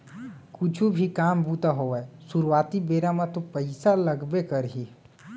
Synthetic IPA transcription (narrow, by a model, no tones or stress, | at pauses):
kʊt͡ʃʰubʱikaːmbut̪aɦoɛsuɾuwaːt̪ibeːɾamãt̪opəɪsaləɡbekəɾɦi